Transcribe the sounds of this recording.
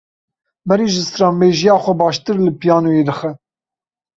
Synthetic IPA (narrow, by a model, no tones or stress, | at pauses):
mɛɾiːʒɨst̪ɾɑːmbeːʒijɑːxʷɛbɑːʃt̪ɨɾlɨpijɑːnojeːd̪ɨxɛ